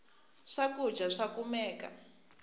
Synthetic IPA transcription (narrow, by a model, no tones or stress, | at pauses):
ʂaku̥d͡ʒʱaʂakumɛːka̰